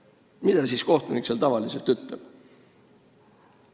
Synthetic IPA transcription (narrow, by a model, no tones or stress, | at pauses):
mid̪̥ɑsiːsko̞ht̪unikselt̪ɑvɑlise̞lt̪yt̪ːˑlɛb̥